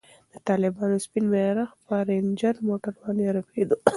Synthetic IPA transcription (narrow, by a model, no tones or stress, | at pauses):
d̪̥ət̪ɑlɪbɑnospinmeɾaxpaɾend͡ʒaɾmoʈaɾwɑnaɾaped̪u